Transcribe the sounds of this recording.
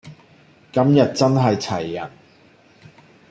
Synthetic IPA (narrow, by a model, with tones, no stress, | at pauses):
kɐ˥mjɐ˨t̚t͡sɐ˥nɦɐ˨jt͡sʰɐ˨˩jːɐ̰˨˩n